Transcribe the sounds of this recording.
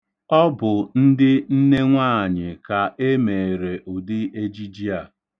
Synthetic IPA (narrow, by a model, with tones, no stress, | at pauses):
ɔ˦bʊ˨n̩˦dɪ˦n̩˦ne˦ŋʷaː˦˨ɲɪ˨ka˨ʔe˦me˨e˨ɾe˨ʔʊ˨dɪ˦e˦d͡ʒi˦d͡ʒi˦a˨